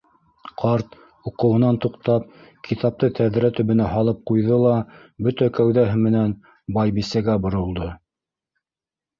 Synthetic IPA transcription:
qʰɑɾt̪ | uqɤ̆wɤ̆nɑnt̪uqt̪ɑp̚kʰit̪ɑp̚t̪ɤt̪ʰæðɾæt̪ɵ̆βɘ̆næɦɑlˠɤp̚qujðɤlˠɑ | bɵt̪ækæwðæɦɘmɘ̆næn | bɑjbisæɡæbŏɾŏlˠd̪ɤ

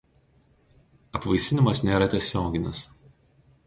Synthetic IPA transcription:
ɐpʋɐɪsʲɪnʲɪmɐsnʲeːɾɐt̪ʲiɛsʲoːɡʲɪnʲɪs

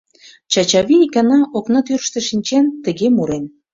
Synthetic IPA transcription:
t͡ɕɑt͡ɕɑβiikɑnɑʔoknɑt̪yrʃt̪ĕʃinʲt͡ɕent̪ə̆ɣemuɾen

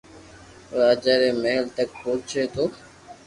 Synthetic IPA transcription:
ɾaːd͡ʒaːɾeːmeɦəlt̪ək̚poːt͡ʃʰeːt̪ʰoː

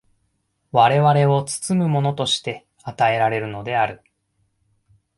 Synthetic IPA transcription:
βaɾe̞βaɾe̞o̞t͡sɨ̥t͡sɨmɯ̟mo̞no̞t̪o̞ɕi̥t̪e̞ | at̪ae̞ɾaɾe̞ɾɯ̟no̞d̪e̞aɾɯ̟

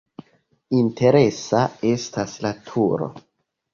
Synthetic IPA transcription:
intʰe̞ɾe̞sae̞staslatʰuɾo̞̰

